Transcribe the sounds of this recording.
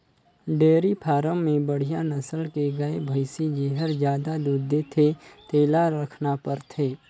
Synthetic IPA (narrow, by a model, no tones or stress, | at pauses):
ɖeːɾipʰaːɾə̃mːẽbəɽ̤ijanɐsəlkeɡɐebʱəɪsid͡ʒeːɦəɾd͡ʒjaːd̪ad̪uːd̪ʱːet̪ʰet̪eːlaɾəkʰnapəɾt̪ʰeː